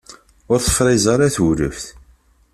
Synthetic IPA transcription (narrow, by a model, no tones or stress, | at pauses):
ʊɾθə̥fɾˤɪzˤɑɾaθuɾəfθ